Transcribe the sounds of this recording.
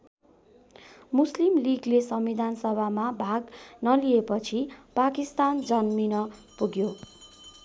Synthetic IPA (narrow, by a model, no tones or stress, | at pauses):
muslimliɡlesʌmwid̪ʱansʌbʱamabʱaɡnʌliepʌt͡sʰipakist̪and͡zʌnminʌpuɡjo